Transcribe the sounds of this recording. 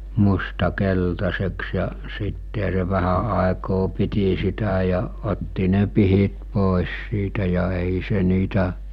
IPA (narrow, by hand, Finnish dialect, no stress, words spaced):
mustɑ keltɑseks jɑ sitːehæ se ʋæhæ ɑˑekoː piti sitæ jɑ otːi ne pihit poˑes siːtæ jɑ eˑi se niːtæ